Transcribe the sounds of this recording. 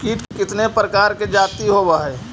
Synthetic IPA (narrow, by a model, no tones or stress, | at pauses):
kiːʈkɪt̪nepɾəkaːɾked͡ʒaːt̪iɦobaɦɛː